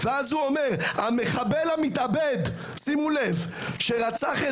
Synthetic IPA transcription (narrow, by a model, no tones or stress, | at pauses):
veazuo̞me̞ʁame̞χabelhamit̪abed̪ | simule̞v | ʃe̞ʁat͡saχe